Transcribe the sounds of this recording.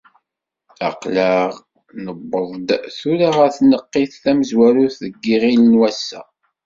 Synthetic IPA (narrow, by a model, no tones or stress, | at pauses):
æqlæʁ | nəbːəðˤd̪θuɾaʁæθnəqːiθːæməzwæɾuθðəɡːiʁilənwæsːæ̰